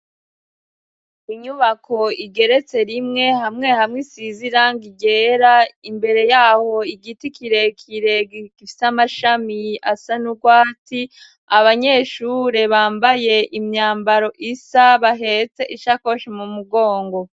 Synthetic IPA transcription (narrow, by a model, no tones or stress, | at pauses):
iɲuβakʰo̞iɡe̞ɾe̞t͡se̞ɾimŋe̞hamŋe̞hamŋisiziɾaŋɡiɡe̞ːɾaimbe̞ɾe̞jaːho̞iɡitikʰiɾe̞kʰiɾe̞ɡiɡ̥ifi̥samaʃamia̰sanuɡwaːti | aβaɲe̞ːʃuɾe̞βaːmbaje̞ʔimɲaːmbaɾo̞ʔisaβaɦe̞t͡se̞ʔiʃako̞ʃimumuɡo̞ːŋɡo̞